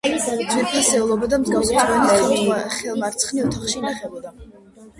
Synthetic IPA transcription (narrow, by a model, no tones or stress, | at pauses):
vɛpʰasɛulˠɔbad̪amzɡavsɛvaniχɛlˠmaɾt̪sʰχniɔt̪ʰaχʃinaχɛlɔd̪a